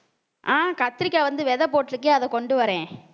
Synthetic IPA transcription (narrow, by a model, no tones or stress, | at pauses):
ʔaːkɐt̪ːɪɾɪkːɐɭʋɐnd̪ɯʋɛðɐpoːʈːlɯkːeːɐðɛ̃kɔɳɖɯʋɐɾẽː